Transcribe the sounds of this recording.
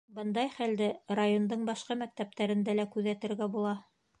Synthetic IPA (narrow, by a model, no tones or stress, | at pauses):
bɤnd̪ɑjχæld̪ɘrajo̞nd̪ɤɴbɑʃqɑmæk̚t̪æp̚t̪æɾɘ̆nd̪ælækʉðæt̪ɘ̆ɾɡæbulˠɑ